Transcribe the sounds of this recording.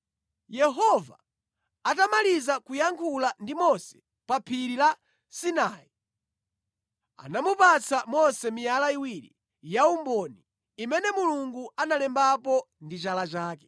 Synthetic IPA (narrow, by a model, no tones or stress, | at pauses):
jɛɦɔva̰ | atamalizakujaŋkʰulandimɔsɛ̥ | papʰiɾila | sinaːi | a̰namupat͡sʰamɔsɛmijalaiwiɾḭ | jaumbɔniː | mɛnɛmuluŋɡuanalɛmbapɔ | ndit͡ʃalat͡ʃaːkɛ̥